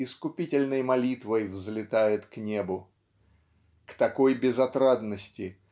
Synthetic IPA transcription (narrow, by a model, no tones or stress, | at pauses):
ɪskʊpʲitʲɪlʲnəjmɐlʲit̪vəjvzlʲɪt̪ajɪt̪knʲe̞bʊ | kt̪ɐko̞jbʲɪzɐt̪ɾad̪nəsʲtʲɪ